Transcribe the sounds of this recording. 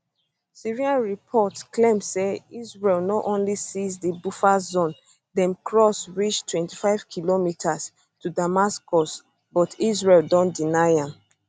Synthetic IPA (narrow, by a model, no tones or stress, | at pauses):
siɹiãnɹipʰɔtklẽmseizɹɛlnɔʔõnlisizdibufazɔ̃n | dɛ̃mkɹɔsɹit͡ʃtʰwɛ̃ntifaɪv̥kʰilomitʰas | tudamaskɔs | bɔtizɹɛldɔ̃ndinaɪãm